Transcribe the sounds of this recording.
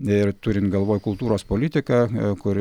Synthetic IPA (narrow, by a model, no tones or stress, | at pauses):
ɪɾt̪ʊɾʲɪnt̪ɡɐlˠʋoːjkʊlˠt̪uːɾoːspoːlʲɪt̪ʲɪkɑkʊɾ